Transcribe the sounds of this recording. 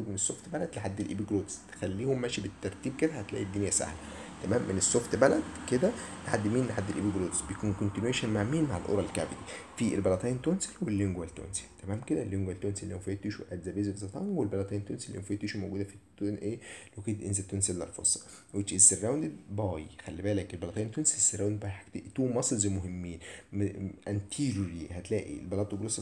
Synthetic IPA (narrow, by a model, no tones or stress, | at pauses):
uːbmenesːoft̪bælæd̪leħad̪ːelʔḭːbiɡɾoːt̪st̪e̥xælːiːhomːæːʃibet̪ːɑɾˤt̪iːb̚ked̪æhæt̪læ̰ːʔid̪ːinjæsa̰hlæ | t̪æmæːmːenesːoft̪bælæd̪ked̪ælħad̪ːmiːnleħad̪ːelʔibiɡɾoːt̪sbejekuːnkont̪inweːʃænmaʕmiːnmaʕelʔo̰ɾˤɑlka̰ʕbed̪iːfielbælɑt̪ˤɑjnt̪onselwelːeŋɡwælt̪o̰nse̥lt̪æmæːmked̪ælːeŋɡwælt̪onsilːifæjet̪ːeʃuʔæd̪zæbeːzebzɑt̪ˤɑ̰ŋɡwelbælɑt̪ˤɑjnt̪onslːifæjet̪ːeʃumowɡuːd̪æfit̪ːunʔeːlækeːʔenzæt̪ːunseld̪æ̰lfo̰sˤːɑ̥ | wet͡ʃesːerˤːæwnd̪ed̪bɑːjxælːibæːlækelbælɑt̪ˤɑːnt̪onsiesːeɾːˤæwnd̪̚bɑjħakt̪eʔt̪uːmʔɑsˤlzæmoɦemːiːnmʔænt̪ʰiɾoɾihæt̪læːʔḭlbælɑt̪ˤoɡlos